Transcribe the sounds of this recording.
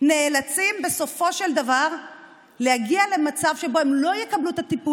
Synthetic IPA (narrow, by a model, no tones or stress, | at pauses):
ne̞ːlat͡simbe̞so̞fo̞ʃe̞ld̪avaʁ | le̞haɡiale̞mat͡savʃe̞bo̞hemlo̞jekablut̪at̪ipu